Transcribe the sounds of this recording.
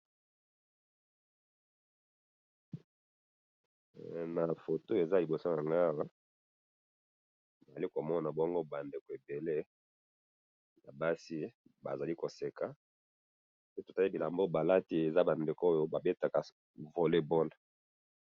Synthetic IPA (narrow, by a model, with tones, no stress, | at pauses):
na˨fo˨to˦e˨za˦li˨bo˨so˦na˨ŋɡa˦˨wa˦ | m˨o˨za˨li˦ko˨mɔ˦na˨bɔ˦ŋɡo˦ba˨nde˨ko˨e˨be˨le˦ | ja˨ba˦si˦ | ba̰˨za˨li˦ko˨se˨ka˨ | pe˦to˨ta˦li˦bi˨la˨mbo˦ba˨la˦ti˦e˨za˦ba˨nde˨ko˦o˦jo˦ba˨be˦ta˨ka˨ | vo˨le˦bo˦na˨